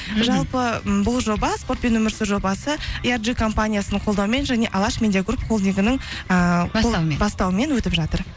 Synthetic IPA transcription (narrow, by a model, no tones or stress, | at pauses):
ʒɑlˠpəbʊlˠʒo̞bɑspo̞rt̪̚pe̞nwɵmɪɾsɪʒo̞bɑsəijarʒikʰo̞mpanʲijasənqʰo̞lˠd̪ɑwme̞nʒæne̞ʔɑlˠɑʃmʲed̪ʲijaɡrupχo̞lˠd̪ijɡʲɪnɪŋɴə | bɑst̪ɑwəme̞nwɵt̪ɪpʒɑt̪əɾ